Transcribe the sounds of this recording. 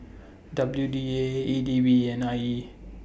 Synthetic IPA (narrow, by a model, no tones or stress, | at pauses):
dəbəjudieidibiɛ̃nai